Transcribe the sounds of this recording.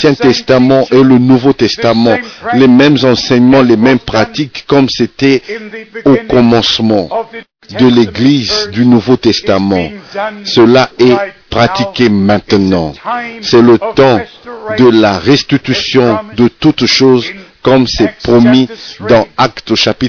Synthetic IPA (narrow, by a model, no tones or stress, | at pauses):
jɛ̃t̪ɛst̪amɑ̃ʔelənuvot̪ɛst̪amɑ̃lemɛmzɑ̃sɛɲmɑ̃lemɛmpχat̪ikːɔmset̪ɛ | okɔmɑ̃smɑ̃ | d̪əleɡlizd̪ynuvot̪ɛst̪amɑ̃səlaɛpχat̪ikʲemɛ̃t̪nɑ̃sɛlət̪ɑ̃d̪əlaʁɛst̪it̪ysjɔ̃d̪ət̪ut̪ʃozkɔmsɛpχɔmid̪ɑ̃akt̪oʃapit̪